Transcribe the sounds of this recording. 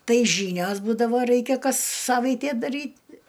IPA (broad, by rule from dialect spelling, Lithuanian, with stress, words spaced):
ˈtɐɪ ˈʒʲiːnʲoːs ˈbuːdɐʋoː ˈrɐɪkʲɛ ˈkɐs ˈsɑːʋɐɪtʲeː dɐˈrʲiːt